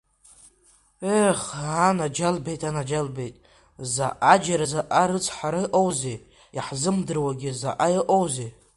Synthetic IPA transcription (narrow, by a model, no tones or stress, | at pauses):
eχanad͡ʒalbejtʼanad͡ʒalbejtʼ | za̰ʔad͡ʒaɾazaʔaɾɨt͡sʰʼħʷaɾɨʔowze | jiħzɨmdɨrwaɡʲiza̰ʔajiʔʼowze